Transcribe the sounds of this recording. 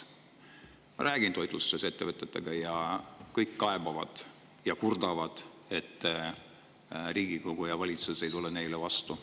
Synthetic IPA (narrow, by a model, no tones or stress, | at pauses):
ɾʔæːɡ̥int̪o̞jt̪lusːese̞t̪ːevɤt̪ːˑe̞t̪ːˑe̞ɡ̥ɑjɑkɤjkːɑe̞bɑvɑ̰d̪̥ | jɑkurd̪̥ɑvɑd̪̥ | e̞t̪ː | riːɡ̥iko̞ɡ̥ujɑvɑlʲit̪suse̞jt̪ulːene̞jlevɑst̪u